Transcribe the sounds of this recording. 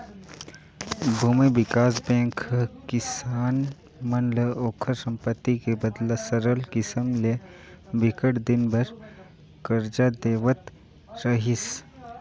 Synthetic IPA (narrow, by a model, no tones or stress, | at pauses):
bʱumiʋɪkaːsbẽːŋkkɪsaːn | mɐnləoːkʰəɾsɐ̃mpət̪ːikebɐd̪lasɐɾəlkɪsəmle | bɪkəʈd̪ɪnbɐɾ | kəɾd͡ʒad̪eːʋət̪ | ɾəɦis